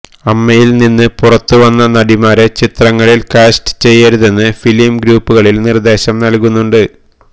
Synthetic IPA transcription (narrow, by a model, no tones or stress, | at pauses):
ɐmːɐjilninːɨpurɐt̪ːuʋɐnːɐnɐɽimaːɾet͡ɕit̪rɐŋːɐɭilkaːsʈɨ̥t͡ɕe̞jːɐɾuðe̞nːɨfiljmɡɾuːpːuɣɐɭilnird̪e̞ːɕɐmnɐlkunːuɳɖɨ